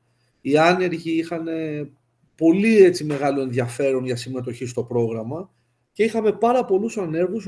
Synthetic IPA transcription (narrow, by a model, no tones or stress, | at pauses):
iɐne̞ɾʝiixɐne̞ | po̞liet͡sime̞ɣɐloe̞nðiɐfe̞ɾo̞nʝɐsime̞t̪̬o̞çist̪o̞pɾo̞ɣɾɐmɐ | ce̞ixɐme̞pɐɾɐpo̞lusɐne̞ɾɣus